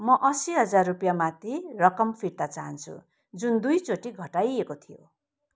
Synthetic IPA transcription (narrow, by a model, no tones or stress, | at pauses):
mʌʔʌsiɦʌd͡zarːupjamãt̪ʰirʌkʌmpʰiɽt̪at͡saɦʌnt͡sʰṵ | d͡zund̪ujt͡soʈiɡʱʌʈajekot̪ʰijo̰